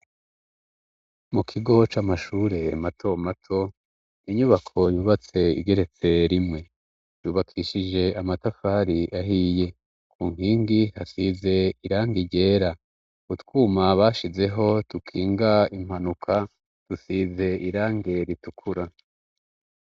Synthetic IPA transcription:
mukʰiɡo̞t͡ʃaːmaʃuːɾe̞matʰo̞matʰo̞ | iɲuβakʰo̞juːβat͡se̞ḭɡe̞ɾe̞t͡se̞ɾimŋe̞ | juːβakʰiʃid͡ʒe̞amatafaːɾiʔaɦiːje̞ | kʰuːŋiːŋɡihasiːze̞iɾaːŋɡiɟe̞ːɾa | kutkuːmaβaːʃize̞ɦo̞tukʰiːŋɡaim̥hanukʰa | tusize̞iɾaːŋɡe̞ɾitukʰuɾa

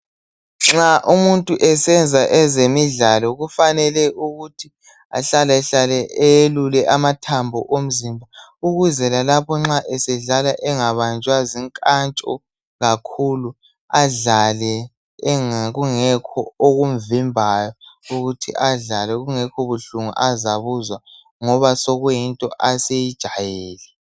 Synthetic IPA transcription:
ŋ͡ǁaʔumuntʼuʔɛsɛnd͡zʱaʔɛzemiɮalɔɣufanɛlɛʔuɣutʰi | a̰ɬalɛɬalɛɛjelulɛʔamatʰambʱɔʔom̩zimbʱauɣuzɛlalapʰɔŋ͡ǁaʔɛsɛɮalaʔɛŋaβant͡ʃʼwaziŋkʼant͡ʃʼɔ̰ | ɣakʰulu | aɮalɛ | ŋɣuŋɛkʰɔoɣum̩vimbʱajɔuɣutʰḭʔaɮalɛɣuŋɛkʰɔβuɬuŋṵʔazaβuzwa | ŋɔβasɔɣuintʼɔ̰ʔasejid̥ʒ̥ʱajɛːlɛ

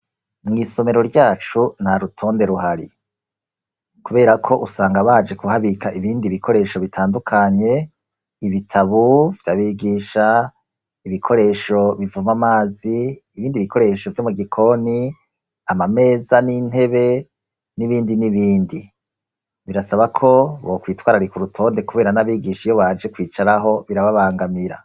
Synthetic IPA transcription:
mŋiːso̞me̞ɾo̞ɾɟaːt͡ʃun̥haɾutʰo̞ːnde̞ɾuɦaɾḭ | kuβe̞ːɾakʰo̞ʔusaːŋɡaβaːd͡ʒe̞kuhaβikaʔiβiːndiβikʰo̞ɾe̞ːʃo̞βitʰaːndukʰaɲe̞ | iβitʰaβuvjaβiɡiːʃa | iβikʰo̞ɾe̞ːʃo̞βivumamaːziːβiːndiβikʰo̞ɾe̞ːʃo̞vjomuɡikʰo̞ni | amame̞ːzanin̥he̞βe̞ | niβiːndiniβiːndi | βiɾasaβakʰo̞βo̞kwiːtwaːɾaɾikuɾutʰo̞ːnde̞kuβe̞ːɾanaβiːɡiʃijo̞βaːd͡ʒe̞kwiːt͡ʃaɾaɦo̞βiɾaβaβaːŋɡamiɾa̰

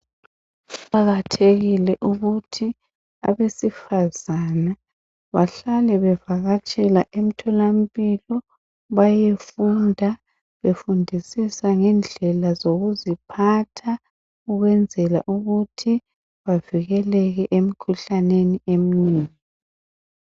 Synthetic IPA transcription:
ǃaɣatʰeɣilɛʔuɣutʰi | aβesifazana | βaɬalɛβɛvaɣat͡ʃʼɛlaʔem̩tʰɔlam̩pʼilɔ | βajefundʱa | βefundʱisisaŋɛnd͡ɮʱɛlazoɣuzipʰatʰa | uɣwɛnd͡zʱɛla̰ʔuɣutʰi | βaviɣɛlɛɣɛʔem̩kʰuɬaneniem̩niːŋi

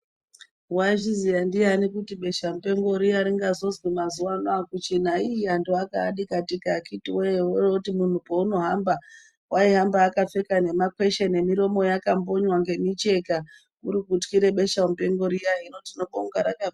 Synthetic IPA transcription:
waʒizijandianikutiɓe̞ʃam̩upe̞ŋɡo̞ɾijaɾiŋɡazo̞zwimazuwanwakut͡ʃin̤aiiandoakaːɗikatikakitiweeweroutimun̤upouno̞ɦamba | wʔaiɦambaːkap͡fe̞kane̞makwe̞ʃene̞miɾo̞mo̞jakambo̞ɲwaŋɡe̞mit͡ʃe̞ka | uɾikutkiɾe̞ɓe̞ʃam̩pe̞ŋɡo̞ɾijainotino̞ɓoŋɡaɾaka

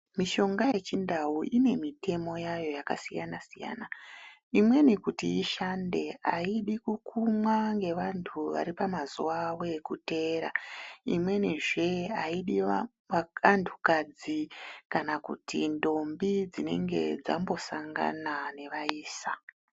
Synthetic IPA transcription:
miʃo̞ŋɡaje̞t͡ʃindawuʔine̞mite̞mo̞jajo̞jakasijanasija̰na | imwe̞nikutiiʃande̞a̰iɗikukʰumwaŋɡe̞ʋantʰuʋa̰ɾipamazuʋawokute̞ːɾa̰ḭmwe̞niʐe̞aiɗi | aantʰukad͡zikanakṵtindo̞mbid͡zine̞ŋɡe̞̰d͡za̰mbo̞saŋɡa̰nane̞ʋaiːsa

